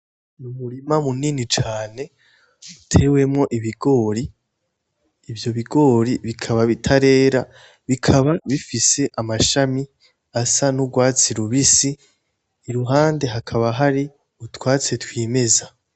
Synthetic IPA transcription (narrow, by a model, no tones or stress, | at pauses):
uβuɾimamuninit͡ʃaːne̞ | utʰe̞we̞mŋo̞ʔiβiɡ̥o̞ːɾi | vjo̞βiɡo̞ːɾiβikʰaβaβitʰaɾe̞ːɾa | βikʰaβaβifise̞ʔamaʃami | asanuɡwaːt͡siɾuβisiː | ɾuɦaːnde̞ɦakʰaβaɦaɾi | utwaːt͡se̞twiːme̞za